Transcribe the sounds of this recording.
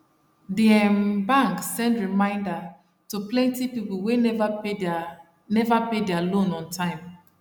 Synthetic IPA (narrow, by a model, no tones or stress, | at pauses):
diɛmbãŋksɛ̃ndɹimãɪ̃nda | tuplɛ̃ntipipulˠwev | nɛvapedɛalõnɔ̃ntʰãɪ̃m